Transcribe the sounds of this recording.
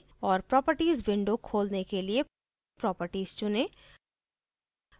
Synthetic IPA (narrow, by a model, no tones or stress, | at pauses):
ɔːɾpɾɔːpəɾʈiːzbɪ̃ɳɖokʰoːlnekelie | pɾɔːpəɾʈiːz̥t͡ʃʊne